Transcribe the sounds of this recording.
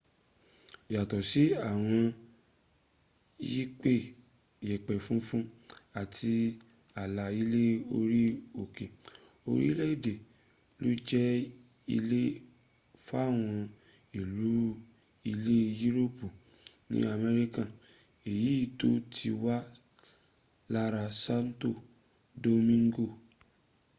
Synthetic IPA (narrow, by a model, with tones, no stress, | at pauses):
ja˨tɔ˨si˨˦a˦˨w̃ɔ̃˧ | ji˦k͡pe˦˨ | jɛ˨k͡pɛ˨fũ˦fũ˦a˨tʰi˧ | a˨la˨i˦le˦o˧ɾi˦o˨ke˨ | o˧ɾḭ˦i˦le˦i˦˨de˨ | lo˦d͡ʒɛ˦ | i˧le˦ | fo˦a˦˨w̃ɔ̃˧ | i˨lu˨˦ | i˧le˦ju˦ɾo˦pu˨ | nḭ̃˦a˧mɛ˧ɾi˦kã˦˨ | e˨ji˨˦i˦˨to˦tʰi˧wa˦ | la˦ɾa˧sa˦n˦to˦˨ | do˧mĩ˦ŋ˦ɡo˦˨